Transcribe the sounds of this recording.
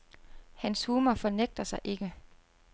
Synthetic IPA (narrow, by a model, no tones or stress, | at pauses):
hænshuːmɐfɒ̽neɡ̥̚d̥ɐsɑ̈ɪʔe̝ɡ̥ə